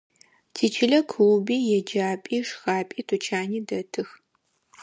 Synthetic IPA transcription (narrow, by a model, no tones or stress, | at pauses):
tʰiːt͡ʃʰɪɮɐkʷʰuwbiːjɛd͡ʒaːpʼiːʂxaːpʼiːtʰut͡ʃʰaːniːdɐtʰɨx